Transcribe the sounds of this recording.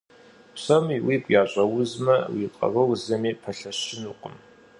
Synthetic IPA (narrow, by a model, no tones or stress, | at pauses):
psɐmiwiːkʷʼjaːɕʷʼɐwʊzmɐwiːtʼɐ̰vɐwzɐmiːpʰɐɬɐɕɪnuːqʷʼəm